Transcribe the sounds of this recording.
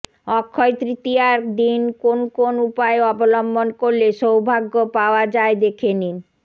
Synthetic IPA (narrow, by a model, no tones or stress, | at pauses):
ɔkʰːɔjt̪ɾit̪iaɾd̪inkonkonupaeɔbolɔmbonkoɾleʃowbʱaɡːopaoad͡ʑaed̪ekʰeni